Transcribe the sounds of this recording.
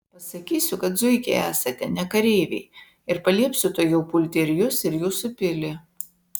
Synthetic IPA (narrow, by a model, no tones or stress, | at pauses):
pɐsɐkʲiːsʲʊkɐt̪zʊɪkʲɛæːsɐt̪ʲɛnʲɛkɐɾʲeːʋʲɛ̰ɪ | ɪɾpɐlʲiɛpʲsʲʊt̪oːjɛʊpʊlʲt̪ʲɛɾʲɪjʊsɪɾjuːsʊpʲɪlʲɪ